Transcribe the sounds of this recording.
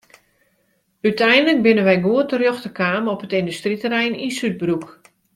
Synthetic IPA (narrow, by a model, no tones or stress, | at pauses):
ytʰɛjndələk̚bɪnənʋɛjɡuətərjoxtəkʰaːmɔpətɪndystritəɾɛjninsyt̚bruk